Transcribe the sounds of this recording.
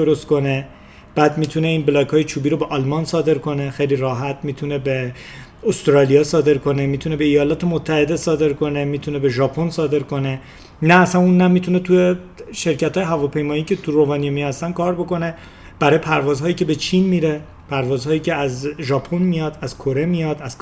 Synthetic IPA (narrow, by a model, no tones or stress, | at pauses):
oɾost̪ko̞ne̞ | b̥æːd̪miːt̪ʰune̞iːnblɒːkhɒːjet͡ʃʰuːbiːɾo̞beʔɒlmɒnsɒːd̪e̞ɾkʰo̞ne̞xejliɾɒːɦæt̪̚ʰmiːt̪ʰune̞beost̪ɾɒːliɒːsɒːd̪e̞ɾko̞nemiːt̪ʰune̞be̞ijɒːlɒːt̪ʰe̞mot̪ʰːæhe̞d̪e̞sɒːd̪e̞ɾkʰo̞ne̞miːt̪ʰune̞beʒɒːpʰonsɒːd̪e̞ɾko̞ne̞ | næːsænunːæmiːt̪ʰune̞t̪ʰuje | ʃe̞ɾcæt̪hɒːjeɦævɒːpʰe̞jmɒːiːcʰe̞t̪ʰurovɒːnijemijhæst̪ænkʰɒːɾbo̞ko̞ne̞ | b̥æɾɒːjepʰæɾvɒːzɦɒːjiːce̞bet͡ʃʰinmiɾe̞ | pʰæɾvɒːzhɒːjiːcʰeæzʒɒːpʰonmijɒd̪æz̥kʰoɾe̞mijɒd̪æz̥